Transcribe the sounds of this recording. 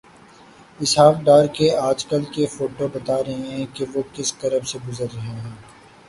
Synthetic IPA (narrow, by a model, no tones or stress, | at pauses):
ɪsɦaːfɖaːɾkeaːd͡ʒkəlkefoːʈobɐt̪aːɾɐɦẽɦɛ̃keʋoːkɪsk̪ɐɾəbseɡʊzəɾɐɦẽɦ